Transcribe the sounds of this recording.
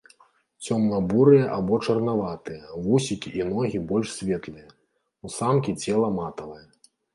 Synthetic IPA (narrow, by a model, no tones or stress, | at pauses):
t͡sʲɔmnɐbuɾɨjɐʔabɔt͡ʂɐrnavat̪ɨjɐvusʲikʲiʔinɔɣʲibɔlʲʂsʲvʲɛt̪lˠɨjɐ | usamkʲit͡sʲɛlˠɐmat̪ɐvɐjɐ